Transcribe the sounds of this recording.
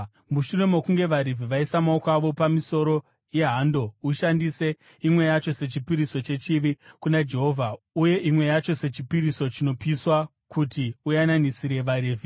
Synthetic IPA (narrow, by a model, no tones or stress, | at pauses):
muʃune̞mokuŋɡe̞ʋaɾivʱiʋaisamaukaʋo̞pamiso̞ɾo̞ | je̞ɦando̞uʃandise̞ | imwe̞jat͡ʃo̞se̞t͡ʃipiɾiso̞t͡ʃe̞t͡ʃiʋikunad͡ʒe̞ɦo̞vʱa | uje̞ʔimwe̞jat͡ʃo̞se̞t͡ʃipiɾiso̞t͡ʃino̞piswa | kutiujananisiɾe̞ʋaɾiːvʱi